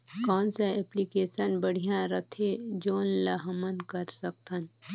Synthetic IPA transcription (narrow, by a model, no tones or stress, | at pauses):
kɔːnsaɛːplikeːsənbəɽ̤ijãɾət̪ʰed͡ʒoːnlɐɦəmənkəɾsək̚t̪ʰən